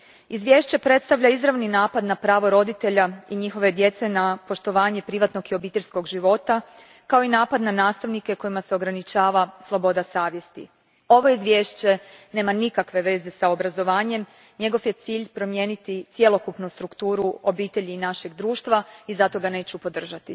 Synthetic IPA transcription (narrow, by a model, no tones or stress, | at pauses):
izʋje̞ʃt͡ɕe̞pɾe̞t̪st̪aʋʎaizɾaʋninaːpad̪napɾaːʋo̞ɾo̞d̪it̪e̞ʎaiɲixo̞ʋe̞d̪je̞t̪se̞napo̞ʃt̪o̞ʋaːɲepɾiʋat̪no̞ɡio̞biːt̪e̞ʎʲsko̞ɡʒiʋo̞t̪a | kao̞inaːpad̪nanaːst̪aʋnike̞ko̞jimase̞o̞ɡɾanit͡ʃaːʋaslˠo̞bo̞d̪asaːʋje̞st̪ḭ | o̞ʋo̞izʋjeːʃt͡ɕe̞ne̞ːmanikakʋe̞ʋe̞ːze̞saobɾazo̞ʋaːɲe̞m | ɲe̞ɡo̞fje̞t̪siːʎpɾo̞mje̞ːnit̪it̪sje̞lo̞kupnust̪ɾukt̪uːɾuo̞biːt̪e̞ʎiːnaʃe̞ɡd̪ɾuːʃt̪ʋaizat̪o̞ɡane̞ːt͡ɕupo̞d̪r̩ʒat̪i